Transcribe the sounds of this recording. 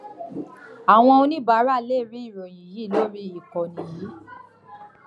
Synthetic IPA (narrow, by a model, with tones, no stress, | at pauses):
a˨w̃ɔ̃˧õ˧nĩ˦ba˨˦ɾa˦˨le˦˨ɾi˦i˦˨ɾɔ˨j̃ĩ˨ji˨˦˨lo˦ɾi˦i˦˨kɔ˨nĩ˨ji˨˦